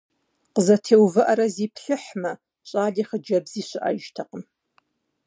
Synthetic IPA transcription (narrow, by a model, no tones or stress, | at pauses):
qəzɐtʰeːwvɨʔɐɾɐziːpʰɬɨħmɐ | ɕʼaːdiːχəd͡ʒɐbziːɕʷɪʔa̰ːʒtʰɐqəm